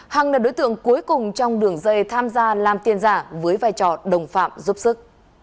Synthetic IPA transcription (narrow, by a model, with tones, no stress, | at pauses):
ha˨˩ŋləː˨˩ɗo̰˨˦jt̪ɨ̰˧˨əŋku˨˦jkʊ˨˩ŋ͡mt͡ɕɔ˧wŋ͡mɗɨ˨˩əŋzə˧jt̪ʰaː˧mzaː˧laː˨˩mt̪i˧ənzaː˧˩vəː˨˦jvaː˧˩jt͡ɕɔ˧˩ɗə˨˩wŋ͡mfa̰ː˧˨mzu˦˥p̚sɨ˦˥k̚